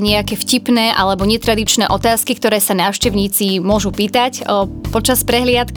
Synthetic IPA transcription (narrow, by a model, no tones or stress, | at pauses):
ɲɛakɛfcipnɛːʔalɛbɔɲɛt̪ɾad̪it͡ʃnɛ̰ːʔɔt̪aːskikt̪ɔɾɛːsanaːʊʃcɛʊɲiːt͡simʊɔʒupiːt̪acpɔt͡ʃaspɾɛɦlɪat̪k